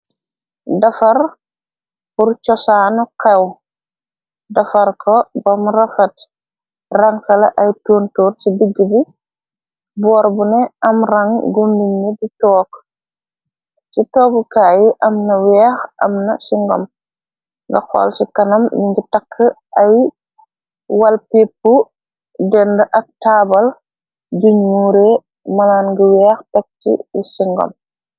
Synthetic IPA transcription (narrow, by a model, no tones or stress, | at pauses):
dɐfɐr | buɾt͡ʃɔsaːnɔkɛw | dɐfɐɾkʰɔbɐmrɐfɐt | rɐŋkɐlɐʔɐjtoːntuːrsidiɡːəbi | bɔːɾbunɛɐmrɐŋɡumdiɲːiditɔːk | sitɔːkukaːjiʔɐmnɐwɛːxʔɐ̰mnɐ̰siŋɡɔ̰m | ŋɡɐ̰xɔ̰lsikɐnɐmniɲɡitɐkʰːə | ʔɐj | wɐlpipːu | dɛndɐʔɐk̚taːbɐl | ɟuɲːuːɾe | mɐlaːnɡiwɛːxtɛk̚tḭjisiŋɡɔ̰m